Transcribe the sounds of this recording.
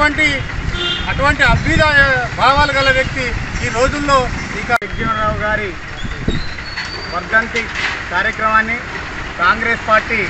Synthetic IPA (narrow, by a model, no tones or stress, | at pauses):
ɐɳʈi | ɐʈuʋɐɳʈiɐbʱid̪aːjɐbʱaːʋaːlɐɡɐlːɐʋjɐk̚t̪iiːɾo̞ːd͡ʒulːo̞ː | ikɐeɡɐmɾaːwɡaːɾi | sʋɐɾd̪ʱɐnt̪ikaːɾjɐkɾɐmaːnːi | kaːŋɡɾeːspaːɾʈiː